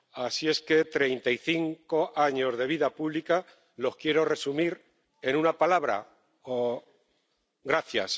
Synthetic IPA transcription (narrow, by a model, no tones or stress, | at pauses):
asie̞ske̞t̪ɾe̞jnt̪aiθiŋko̞aɲo̞zðe̞βiðapuβlika | lo̞hkje̞ɾo̞re̞sumiɾ | e̞nunapalaβɾa̰ | o | ɣɾaθja̰s